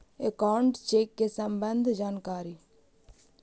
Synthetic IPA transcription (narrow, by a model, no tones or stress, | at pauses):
ekaːwɳʈt͡ʃeːkːesəmbənd̪ʱd͡ʒaːnkaːɾiː